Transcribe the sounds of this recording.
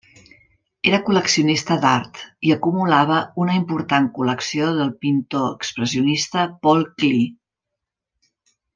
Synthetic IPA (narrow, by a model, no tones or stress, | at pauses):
eɾəkuləksiunist̪əd̪aɾt̪iəkumulaβ̞əunəimpuɾt̪aŋkuləksioðəlˠpint̪oəkspɾəziunist̪əpɔlˠkli